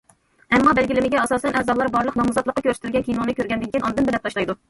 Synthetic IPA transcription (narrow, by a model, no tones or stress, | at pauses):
ɛmːɑbɛlɡʲilɪmɪɡʲɛɑsɑːsɛnʔɛzɑblˠɑɾbɑɾlˠəqnɑmuzɑt̪lˠəqːɑkʲʰøɾst̪ylɡʲɛnkʲʰijnoŋnɨkʲøɾɡʲɛnd̪ɪnkʲinɑnd̪ɨnbɪlɛp̚t̪ɑʃlˠɑjd̪u